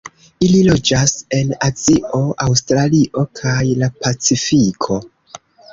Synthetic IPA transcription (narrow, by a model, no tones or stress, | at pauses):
ililo̞d͡ʒase̞nat͡sio̞ʔawstɾaliʔo̞kʰajlapat͡sifikʰo̞